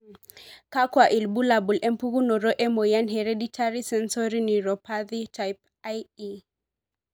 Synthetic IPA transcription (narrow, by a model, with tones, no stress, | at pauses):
ka˦kwa˨ʔi˨lbu˦labu˨lʔɛ˦mpu˦ɣu˦nɔ˨ɾɔ˦ʔɛ˦mɔ˨ja˦nɦɛɾeditʰaɾi˦sɛ˦nsɔɾini˨ɾɔpaðitʰajp̚ | aji